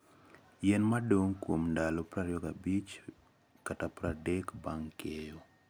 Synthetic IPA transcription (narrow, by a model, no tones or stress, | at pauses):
jenmadoŋkwomndalopɾaɾjɔkabit͡ʃ | katapɾadekbaŋkejo